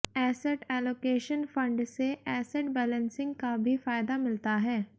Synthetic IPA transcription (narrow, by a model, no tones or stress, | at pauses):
ɛːsɛʈɛːloːkeːʃənfɐ̃ɳɖseʔɛːsɛʈbɛːlə̃nsɪ̃ŋɡkabʱifaːɪd̪amɪlt̪aɦɛː